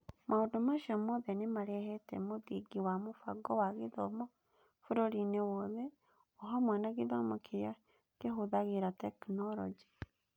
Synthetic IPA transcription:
mʔaodomaʃiɔmɔðɛnemaɾɛhɛtɛmoðiɡiwamofaɡɔwaɣeðɔmɔ | foɾoɾinewɔðɛ | ɔɦɔmwɛnaɣeðamokʰeɾja | keɦoðaɣeɾatɛknɔɾɔd͡ʒɛ̥

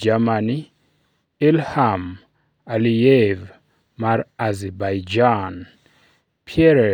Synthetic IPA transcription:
d͡ʒamani | ilham | alijɛv | maɾazɛbajd͡ʒan | pʰiɛɾɛ

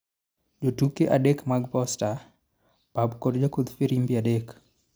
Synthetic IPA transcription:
d͡ʒotukeʔadekmaɡpɔsta | pabkoɾd͡ʒakod̪fiɾimbiadek

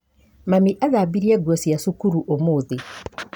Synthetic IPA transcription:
mamiʔaɣabiɾiɛɡwɔsjasukuɾuʔomoːðe

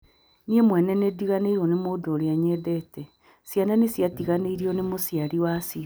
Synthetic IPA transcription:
niemwɛnɛnediɣaneiɾɔnemoːdoːɾeaɲɛðɛtɛ | sjananesjatiɣaneiɾiɔnemosijaɾiwasi

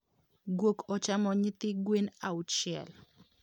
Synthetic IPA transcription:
ɡwokɔt͡ʃamɔɲɪt̪ɪɡwenaʊtt͡ʃɪɛ̰l

